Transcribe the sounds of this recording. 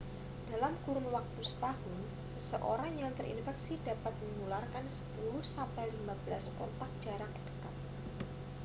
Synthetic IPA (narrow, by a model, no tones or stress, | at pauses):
d̥alamkuɾʊnwak̚t̪usə̥t̪ahʊn | səsəʔo̰ɾaŋjaŋt̪əɾʔḭnfɛksidapat̪̚məŋularkansə̥pulʊhsampajlimabəlaskɔ̰t̪ak̚d̥ʒ̥a̤ɾaŋəd̥ə̥kat̪̚